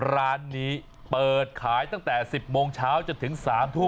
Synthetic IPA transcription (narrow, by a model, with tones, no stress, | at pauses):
ɾaː˦˥nːiː˦˥ | pɤː˨˩t̪̚kʰaː˩˦jt̪a˥˩ŋt̪ɛː˨˩si˨˩p̚moː˧ŋt͡ɕʰaː˦˥wt͡ɕo˧nt̪ʰɯ˩˦ŋsaː˩˦mt̪ʰu˥˩˨